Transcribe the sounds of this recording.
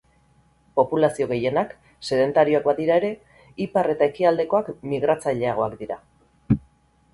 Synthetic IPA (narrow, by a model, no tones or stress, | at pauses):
po̞pulasio̞ɣ̞e̞je̞nak | se̞ðe̞nt̪aɾio̞akbaðiɾae̞ɾe̞ | ipare̞t̪ae̞kiald̪e̞ko̞akmiɣ̞ɾat͡saʎe̞aɣ̞o̞akd̪iɾa